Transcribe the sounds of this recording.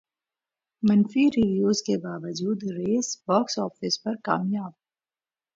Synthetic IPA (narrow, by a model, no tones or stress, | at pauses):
mɐnfiɾiːʋijoːzkebaːʋəd͡ʒuːd̪ɾeːsbɔːksɔːfɪspɐɾka̰ːmjaːb̚